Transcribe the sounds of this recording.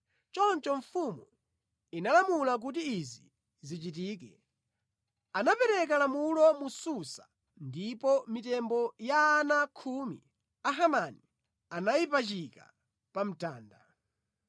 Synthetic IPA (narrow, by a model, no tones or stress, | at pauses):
t͡ʃɔnt͡ʃɔɱfumu | inalamulak̬ut̬iizi | zit͡ʃit̬iːk̬ɛ | anapɛɾɛk̬alamulɔmususḁ | ndipɔmitɛmbɔjaːnakʰumḭ | aɦamani | anajipat͡ʃika̰ | pam̩taːnda̰